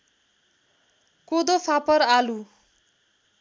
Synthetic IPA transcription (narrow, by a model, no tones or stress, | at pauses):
kod̪ofʰapʌɾalu